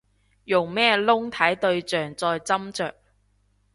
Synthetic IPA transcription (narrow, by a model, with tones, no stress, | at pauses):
jʊ˨˩ŋmɛː˥lʊ˥ŋt̪ʰɐ˨˥jt̪ɵ˧ɥt͡sœː˨ŋt͡sɔː˧jt͡sɐ˥mt͡ʃœː˨k̚